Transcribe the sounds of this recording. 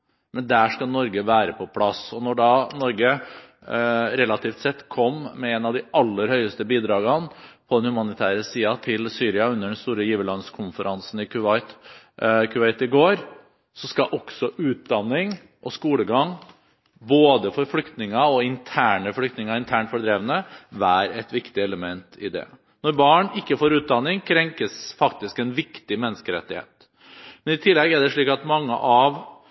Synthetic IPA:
mɛnd̪æʂkɑlnɔɾɡəʋæːɾəpʰɔpʰlɑsɔnɔɖɑnɔɾɡə | ɾɛlɑt̪ʰiːft̪sɛt̪ːkʰɔmmɛɛnɑʋd̪ɪʔɑlːəɾhœʏəst̪əbiːd̪ɾɑːɡɑnpʰɔd̪ɛnhʉmɑnɪt̪ʰæːɾəsiːɑt̪ʰɪlsyːɾɪɑʉnːəɖɛnst̪uːɾəjiːʋəlɑnskʰʊnfəɾɑnsn̩ɪkʰʉɪt̪ | kʰʉɛɪt̪ɪɡoːɾ | sɔskɑʔɔksɔʔʉːt̪̚d̪ɑnːɪŋ | ʔɔskuːləɡɑŋ | boːd̪əfɔɾflʏkt̪nɪŋɑɔɪnt̪ʰæːɳəflʏkt̪nɪŋɑɪnt̪ʰæːɳʈfɔɖɾeːʋənəʋæːɾəɛt̪ʋɪkt̪ɪɛləmɛnt̪ʰɪ̰d̪ɛ̰ | nɔɾbɑːɳɪkːəfoːɾʉːt̪̚d̪ɑnːɪŋkʰɾɛŋkəsfɑkt̪ɪskɛnʋɪkt̪ɪmɛnːəskəɾɛ̰t̪ːɪhḛːt̪ | mɛnɪt̪ʰɪlːɛɡæɖɛʂɭiːkɑt̪mɑŋːə̰ʔɑʋ

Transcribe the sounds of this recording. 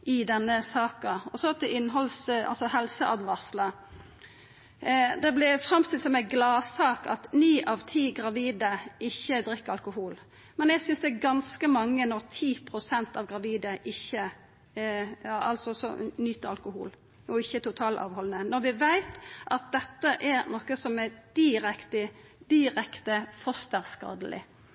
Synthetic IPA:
ɪd̪ɛnːəsɑːkɑɔsɔt̪ʰɛʔɪnːɦɔlsɑ̰lsɔhɛlsəʔɑd̪ʋɑʁslə | d̪ɛblɪfɾɑmst̪ɪlsɔmæɪɡlɑːsɑːkɑ̰t̪nyːʔɑʋt̪ʰiːɡʁɑʋiːd̪əɪçːəd̪ɾɪkːəɾɑlkʊɦuːl | mɛnæɡsʏnsd̪ɛːɾɡɑnskəmɑŋːənɔʁt̪ʰiːpʰɾʊsɛnt̪ɑʋɡʁɑʋiːd̪əʔɪçːə | ɑʔɑlsɔsɔ̰nyːt̪əɑlkʊhṵːl | ɔɪçːət̪ʊt̪ʰɑːlʔɑ̰ːʋhɔlnənɔɾʋɪʋæɪt̪ʔɑt̪̚d̪ɛt̪ːəʔɛɾnɔːkəsɔmæd̪̥ɪɾɛkt̪ə | d̪̥ɪɾɛkt̪əfɔst̪əʁskɑ̰ːd̪əlɪ̰

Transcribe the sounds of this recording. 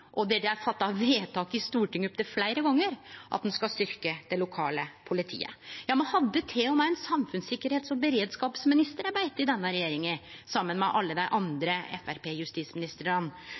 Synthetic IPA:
ʔɔd̪ɛɖ̪ɛæɾfɑt̪ːɑʋeːt̪ʰɑːkɪst̪uːʈɪŋːɔp̚ːd̪ɛflæɪɾəɡɔŋːəɾʔɑ̰t̪̚d̪ɛnskɑst̪ʏɾkəd̪̥ɛlʊkʰɑːləpʰʊlɪt̪ʰḭːə̰jɑːmɛnhɑd̪ːət̪ʰeːɔmæɪɛnsɑmfʉnsɪkːəɾheːt̪sɔbəɾeːd̪skɑːpsmɪnɪst̪əɾɑbæɪt̪ːɪd̪ɛnːəɾɛjeːɾɪŋə | sɑmːənmɛʔɑlːəd̪æɪʔɑnd̪ɾəɛ̰fæɾpeːjʉst̪iːsmɪnɪst̪əɾəɾɑn

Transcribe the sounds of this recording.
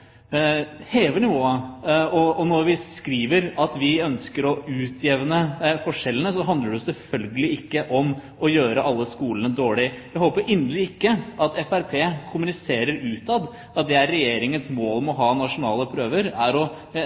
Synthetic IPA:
heːʋəɳɪʋoːɑɔɔnɔɾʋɪkɾiːʋəɾɑt̪ʋɪœnskəɾɔʉːt̪ʰjɛʋnəfɔʂɛlːənəsɔɦɑnd̪ləɖɛsɛlfœlɡəlɪɪkːəʔɔm | ɔjøːɾəʔɑlːəskuːlənəd̪oːɭɪjæhoːpəɾɪnəlɪɪkːəʔɑt̪ɛfæɾpʰeːkʰʊmʉnɪseːɾəɾʉːt̪ɑd̪ | ɑt̪̚d̪ɛæɾːɛjeːɾɪŋənsmoːlmɛɔɦɑːnɑʂʊnɑːləpʰɾøːʋəɾæɾɔ

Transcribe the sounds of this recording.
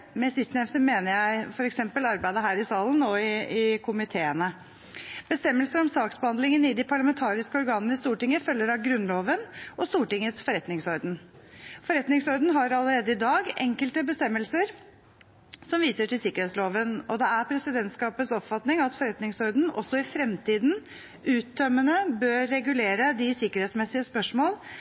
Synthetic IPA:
mɛsɪst̪nɛft̪əmeːnəɾjæɪfɔɾɛksɛmpəlɑɾbæɪd̪əɦæːɾɪsɑːlən̩ɔɪɪkʰʊmɪt̪ʰeːənə | b̥əst̪ɛmːəlsəɾɔmsɑːksbəhɑnd̪lɪŋənɪd̪ɪpʰɑɭɑmɛnt̪ʰɑːɾɪskəɔɾɡɑːnənəɪst̪uːʈɪŋːəfœlːəɾɑɡɾʉnloːʋənʔɔst̪uːʈɪŋːəsfɔɾɛt̪nɪŋsɔɾd̪n̩fɔɾɛt̪nɪŋshɔɾd̪n̩ɦɑɾɑləɾeːd̪əɪd̪ɑːɡɛ̰ŋkəlt̪əbəst̪ɛmːəlsəɾ | sɔmʋiːsəʈʰɪlsɪkəɾhɛːt̪sloːʋənɔd̪ɛæɾpʰɾɛsɪd̪ɛnt̪skɑːpət̪sɔpfɑt̪nɪŋɑt̪fɔɾɛt̪nɪŋsɔɾd̪n̩ɔsːɔɪfɾɛmt̪ʰiːd̪n | ʔʉːt̪̚d̪œmːənəbøːɾːɛɡʉleːɾəd̪ɪsɪkəɾhɛːt̪smɛsɪəspœʂmoːl

